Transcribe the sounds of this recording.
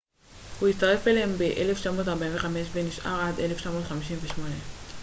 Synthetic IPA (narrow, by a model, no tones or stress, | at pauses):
huit͡st̪aʁe̞felembe̞ʔele̞ft͡ʃamo̞t̪̬aʁbainveχame̞ʃveniʃʔa̰ʁad̪e̞left͡ʃamo̞ːt̪χamiʃimveʃmo̞ne